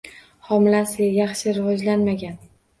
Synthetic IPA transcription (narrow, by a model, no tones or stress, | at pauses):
hɒmɪlasɪajɑχʃɪɾɪvɒd͡ʒlanmaɡʲan